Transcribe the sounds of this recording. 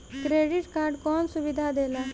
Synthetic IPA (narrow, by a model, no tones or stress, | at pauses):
kɾeɖiʈkaɾɖkɔnsuʋid̪ʱad̪ela